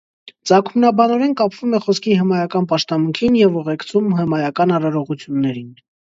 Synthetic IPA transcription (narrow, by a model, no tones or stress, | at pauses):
t͡sɑkʰumnɑbɑnɔɾɛnkɑpʰv̥umɛχɔskʰihəmɑjɑkɑnpɑʃt̪ɑmuŋkʰinjɛvuʁɛkt͡sʰumhəmɑjɑkɑnɑɾɑɾɔʁut͡sʰjunːɛɾin